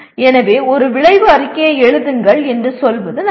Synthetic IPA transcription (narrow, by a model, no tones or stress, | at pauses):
ɛnɐʋeːɔɾɯʋɪɭɐɪʋɯɐɾɪkːeːɐɛɻɯðɯŋɡɐɭɛndrɯsɔlʋɐðɯn